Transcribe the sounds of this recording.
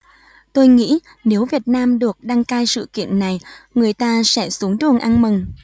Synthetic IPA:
t̪o˧jŋḭ˧˥ | ne˨˦wvi˨˩ət̚naː˧mɗɨ˨˩ək̚ɗa˧ŋkaː˧jsɨ̰˧˨kḭ˧˨ənna˨˩jŋɨ˨˩əjt̪aː˧sɛ̰˧˥su˨˦əŋɗɨ˨˩əŋʔa˧nmɨ˨˩ŋ

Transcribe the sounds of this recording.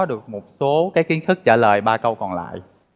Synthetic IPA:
ɔ˨˦ɗɨ˨˩ək̚mo˨˩t̚so˨˦kaː˨˦jki˨˦nt̪ʰɨ˦˥k̚t͡ɕaː˧˩ləː˨˩jɓaː˧kə˧wkɔ˨˩nla̰ː˧˨jʔ

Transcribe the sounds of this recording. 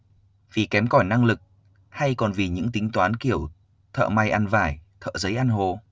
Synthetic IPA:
vi˨˩kɛ˨˦mkɔ˧˩jna˧ŋlɨ˨˩k̚ | ha˧jkɔ˨˩nvi˨˩ɲɨ̰˧˥ŋt̪ï˨˦ŋ̟t̪waː˨˦nki˧˩əw | t̪ʰə̰ː˧˨ma˧jʔa˧nvaː˧˩jt̪ʰə̰ː˧˨zə˨˦jʔa˧nɦo˨˩

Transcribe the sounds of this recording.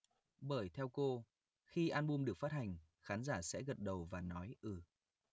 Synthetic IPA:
ɓəː˧˩jt̪ʰɛ˧wko˧ | xi˧ʔaː˧nɓu˧mɗɨ˨˩ək̚fa˦˥t̚ha˨˩jŋ̟ | xaː˨˦nzaː˧˩sɛ̰˧˥ɣə˨˩t̚ɗə˨˩wvaː˨˩nɔ˨˦jʔɨː˧˩

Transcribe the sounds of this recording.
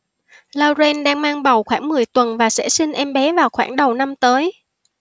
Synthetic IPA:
laː˧wze˧nɗaː˧ŋmaː˧ŋɓə˨˩wxwaː˧˥˩ŋmɨ˨˩əjt̪wə˨˩nvaː˨˩sɛ̰˧˥si˧ŋ̟ʔɛ˧mɓɛ˨˦vaː˨˩wxwa̰ː˧˩ŋɗə˨˩wna˧mt̪əː˨˦j

